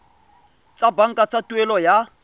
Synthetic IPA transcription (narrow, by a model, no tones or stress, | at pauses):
t͡sʼabaŋ̩kʼat͡sʼatʼuɛlɔja